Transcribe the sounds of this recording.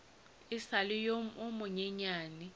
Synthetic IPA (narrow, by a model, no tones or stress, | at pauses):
ɪsalɪjomʊmʊɲɛɲaːnɪ